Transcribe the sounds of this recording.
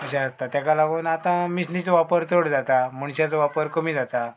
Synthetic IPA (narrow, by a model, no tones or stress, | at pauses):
məɕaːst̪at̪jakalaɡoːnat̪ãmisnit͡sʋapəɾt͡soɽd͡zat̪aməɳɕat͡sʋapəɾkəmiːd͡zat̪a